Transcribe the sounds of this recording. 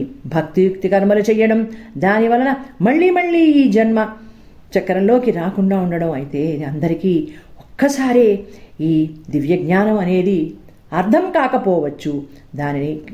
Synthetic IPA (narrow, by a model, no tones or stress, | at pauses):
bʱɐkt̪ijukt̪ikɐɾmɐlut͡ʃɛjːɐɽɐmd̪aːniʋɐlɐnɐmɐɭːiːmɐɭːiːiːd͡ʒɐnmɐ | t͡ʃɐkːɐɾɐlo̞ːkiɾaːkuɳɖaːuɳɖɐɽɐmɐjit̪e̞ːid̪iɐnd̪ɐɾikiːokːɐsaːɾeːiːd̪iʋjɐɡɲaːnɐmɐne̞ːd̪i | ɐɾt̪ʰɐmkaːkɐpɔːʋɐt͡ʃːu | d̪aːnini